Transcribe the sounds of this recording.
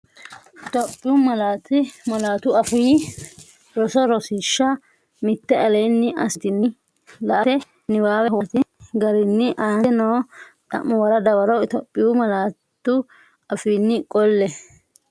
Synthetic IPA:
ʔɪt̪ɔpʼːɪjʊmɐlaːt̪ɪmɐlaːt̪ʊɐfʊj | ɾɔsɔɾɔsɪʃːɐ | mɪt̪ːɛʔɐlɐjnːɪʔɐsɪt̪ɪnːɪ | lɐʔɐɛ | nɪwaːwɛwɐt̪ɪɡɐɾɪnːɪʔaːɛnoːt̪ʼɐ̰ʔʊwɐɾɐd̪ɐwɐɾɔɪt̪ɔpʼːɪjʊmɐlaːt̪ːʊ | ɐfiːnːɪkʼɔlːɛ

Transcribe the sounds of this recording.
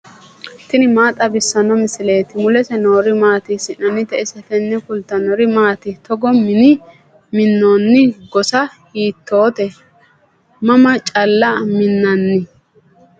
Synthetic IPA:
t̪ɪnɪmaːt̪ʼɐbɪsːɐnɔmɪsɪleːt̪ɪmʊlɛsɛnoːɾɪmaːt̪ɪsɪnɐnːɪt̪ɛʔɪsɛfɛnːɛfʊlt̪ːɐnɔɾɪmaːt̪ɪt̪ɔɡɔmɪnɪ | mɪnːoːnːɪɡɔsɐhiːt̪ːoːt̪ɛ | mɐmɐt͡ʃʼɐlːɐmɪnːɐnːɪ

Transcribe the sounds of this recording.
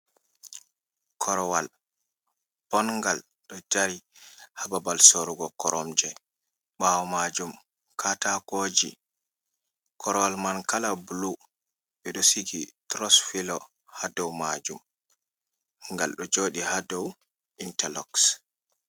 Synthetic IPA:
kʰɔɾɔwal | b̥ɔnŋɡal | ɗɔd͡ʒaɾihababalsoɾuɡɔkɔɾʔɔmd͡ʒɛ | ɓawɔmad͡ʒum | kʰatakoːd͡ʒḭ | kʰɔɾɔwalmankalablu | ɓɛɗɔsiɡitɾɔsfilɔ | hadɔwmad͡ʒum | ŋɡalɗɔd͡ʒoːɗihadɔw | intalɔks

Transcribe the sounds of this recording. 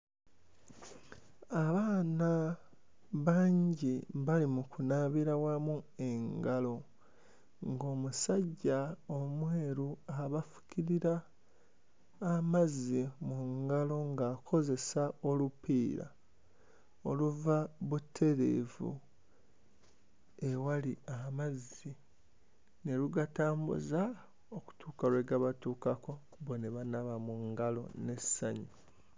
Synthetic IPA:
aβaːna | βaːɲɟiβalimukunaβiɾawamue̞ŋɡalo̞ | ŋɡo̞ːmusaɟːaomwe̞ːɾuaβafu̥ciɾiɾa | mazimuŋɡalo̞ŋɡaːkʰo̞ze̞sao̞lupiːɾa̰ | oluvaβutʰːe̞ɾe̞̰vṵ | ewaliamazi | ne̞luɡataːmbṵza | oku̥tʰuːkaɾwe̞ɡaβatuːkako̞ | βoneβanaβamuŋɡalo̞̰ne̞saɲi

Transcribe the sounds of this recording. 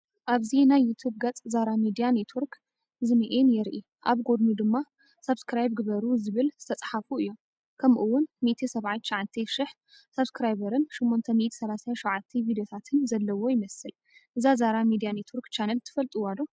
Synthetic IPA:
ʔaβzinajːut̪ʰubɡɐt͡sʼzaɾamid̪ijanet̪ʰwuɾk | zɨmiʔenjɛɾʔi | ʔa̰βɡo̞d̪nud̪ɨmːa | sɐbskɾajb̚ɡɨβɐɾuzɨβɨlz̥ɨt̪ʰɐt͡sʼħafuɨjːo̞m | kʰɐmʔuwːʊnmit̪ʰisɐβʕajt̪ʃɐʕant̪ʰiʃɪħ | sɐβskɾajbɐɾɨnʃɪmːont̪ʰɐmiʔt̪ʰi̥sɐlasajanʃʕat̪ʰːivid̪ejot̪ʰat̪ʰɨnzɐlːɐwo̞jɪmɐsɨl | ʔɨzazaɾamid̪ijanet̪ʰwuɾkt͡ʃʰanɐlt̪ʰɨ̥fɐlt̪ʼuwad̪o

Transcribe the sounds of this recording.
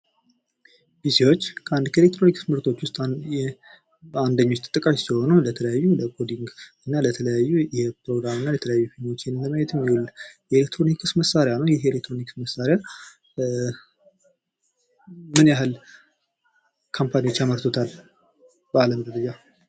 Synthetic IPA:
bisiwo̞t͡ʃːkʰəand̪kʰəelekt̪ɾo̞niksmɨɾt̪ʰo̞t͡ʃːwʊst̪ʼɛ | and̪əɲːo̞t͡ʃːt̪ʰɨ̥t̪ʼːɨkʼaʃsiho̞nulət̪ʰələjajːuləkʰo̞d̪iŋɡɨnːalət̪ʰələjajːujɛpɾo̞ɡɾamɨnːalət̪ʰələjajːufiɲo̞t͡ʃːenɨnləməjɛt̪ɨmjulːjɛelek̚t̪ʰɾo̞nikʰɨsməsaɾejanəwjɛelekt̪ɾo̞nikɨsməsaɾeja | mɨnjaɦɨl | kʰampʰaniwo̞t͡ʃːjaməɾt̪ʰot̪ʰal | bəaləmd̪əɾəd͡ʒa

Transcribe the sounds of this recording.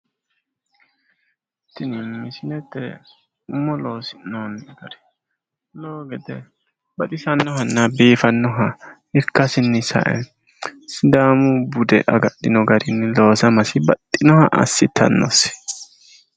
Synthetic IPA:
t̪ːɪnɪmɪsɪnɛt̪ːɛ̰ | ʊmːɔlo̞ːsɪ̥nɔnːɡɐɾɛ̥ | loːɡɛd̪ɛ | bɐt̪ɪsɐnːɔɦɐnːɐbiːfɐnːɔɦɐ | ɪɾkːɐsɪnːɪsɐ̰ʔɛ̰ | sɪd̪aːmʊbʊd̪ɛ̰ʔɐɡɐɗɪnɔɡɐɾɪnːɪlo̞ːsɐmɐsɪbɐt̪ʼːɪnɔhɐʔɐ̰sːɪt̪ʰːɐ̰nːɔ̰sɪ̥

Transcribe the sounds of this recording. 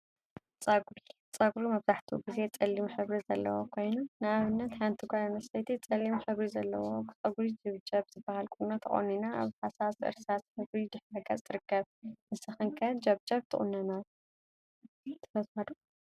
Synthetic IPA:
t͡sʼɐɡɾi | t͡sʼɐɡɾumɐβzaħt̪ʰuɡize̞t͡sʼɐlːimħɨβɾizɐ̰lːɐ̰wo̰kʰo̞jnunɨaβɨnːɐt̪ħant̪ʰɨɡʷajanɐsɐjt̪ʰit͡sʼɐlːimħɨβɾizɐlːɐwokʰɨt͡sʼɐɡɾid͡ʒɨβd͡ʒɐβz̥ɨbːahalkʼunot̪ʰɐ̰χʼo̰ninaa̰βħasasɨ̰ɾsasħɨβɾid̪ɨħɐɡɐ̰t͡sʼɨɾɨkːɐβnɨsɨxɨŋkʰɐd͡ʒɐβd͡ʒɐβt̪ʰɨχʼṵnːɐna | t̪ʰɐfɐthad̪u

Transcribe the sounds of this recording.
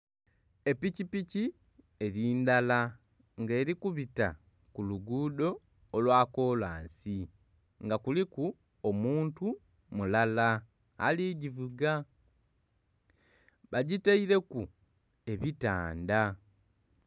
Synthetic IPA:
e̞picipici | e̞ɾiːndala | ŋɡe̞ːɾikuβita̰ | kuluɡuːdo̞ː | lwaːkoːla̰ːnsi | ŋɡakuliku | omuːntu | mulala | a̰liɟivuɡa | βaɟitaiɾe̞ku | e̞βita̰ːnda

